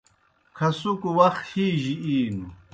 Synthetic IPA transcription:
kʰɐsukuwɐxhiːʑiiːnu

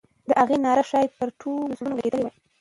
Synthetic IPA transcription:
d̪əʔaɣenɑɾaʃɑjpəɾʈʰolzɽunoɡaɡed̪əlewaj

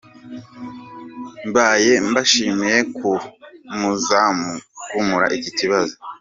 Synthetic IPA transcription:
mbaːje̞mbaʃiːmije̞kumuzamkumuɾa̰ʔiciciβazo

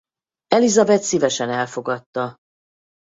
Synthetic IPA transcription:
ɛlizɒbɛt̪sivɛʃɛnɛlfo̞ɡɒt̪ːɒ

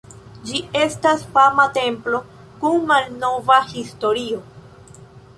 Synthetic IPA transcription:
d͡ʒie̞stasfamat̪e̞mplo̞ | kunmalnovahisto̞ɾio

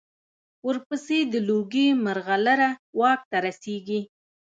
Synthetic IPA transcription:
wəɾpəsed̪əloɡemaɾɣalaɾawɑk̚t̪aɾaseɡi

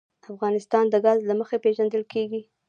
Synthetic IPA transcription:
afɣɑnɪst̪ɑnd̪əɡɑzlaməxepeʒand̪əlkʰeɡi

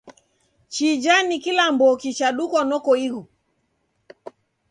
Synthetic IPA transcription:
t͡ʃid͡ʒanikilambɔkit͡ʃaɗukɔnɔkɔiɣu

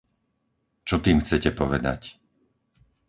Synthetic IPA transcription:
t͡ʃɔt̪iːmxt͡sɛcɛpɔʋɛd̪a̰c

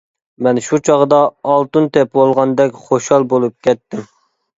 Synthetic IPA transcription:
mɛnʃut͡ʃʰɑʁd̪ɑːlˠt̪unt̪ɛpbolˠʁɑnd̪ɛkʲχoʃɑlˠbolˠup̚kʲʰɛt̪ʰːɪm

